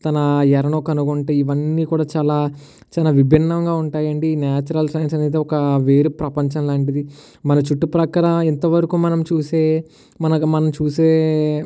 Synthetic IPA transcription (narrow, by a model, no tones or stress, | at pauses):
t̪ɐnɐjɛɾɐɳoːkɐnuɡoɳʈeːiʋɐnːiːkuːɽaːt͡ʃaːlaː | t͡ʃaːlaːʋibʱinːɐŋɡaːuɳʈaːjɐɳɖinjaːt͡ʃɐɾɐlsɐjnsɐne̞ːd̪eɔkɐʋeːɾupɾɐpɐɲt͡ʃɐnlaːɳʈid̪i | mɐnɐt͡ʃuʈːupɾɐkaːɾɐmɛnt̪ɐʋɐɾukuːmɐnɐmt͡ʃuːse̞ː | mɐnɐmɐnɐmt͡ʃuːseː